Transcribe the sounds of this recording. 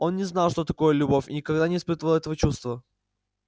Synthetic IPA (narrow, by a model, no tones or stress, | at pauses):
o̞nnʲɪznalˠʂt̪o̞t̪ɐko̞jəlʲʊbofʲɪ̰nʲɪkɐɡd̪anʲɪspɨt̪əvəlˠɛt̪əvət͡ɕust̪və